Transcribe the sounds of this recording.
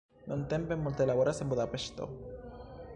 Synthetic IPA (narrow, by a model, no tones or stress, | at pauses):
nont̪empemmolt̪elaβoɾasemboðapeʃt̪o̰